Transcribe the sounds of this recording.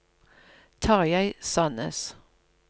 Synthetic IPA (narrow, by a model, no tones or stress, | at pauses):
t̪ʰɑːʁjæɪsɑnə̰s